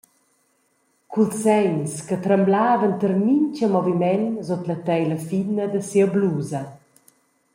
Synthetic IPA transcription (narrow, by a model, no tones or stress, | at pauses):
kʰulsɛɲskət̪ɾəmblaːvəntərmiɲt͡ʃəmɔvimɛnzot̪lət̪ɛjləfinəd̪əsiəbluːzɐ